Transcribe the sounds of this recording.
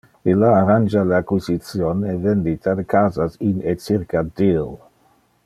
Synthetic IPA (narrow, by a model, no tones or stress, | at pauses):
ilaːɾand͡ʒaleakwisitt͡sjonevend̪it̪ad̪ekaːzasinet͡siɾkad̪il